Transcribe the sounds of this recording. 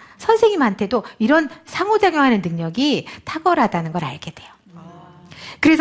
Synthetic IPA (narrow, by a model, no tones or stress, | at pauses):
sʰʌnsʰe̞ŋimantʰedoiɾʌnsʰaŋod͡ʑaŋjʌŋɦanɯnːɯŋɲʌɡitʰaɡʌɾɦadanɯnɡʌɾaɭɡed̥we̞jo | kɯɾe̞sʰ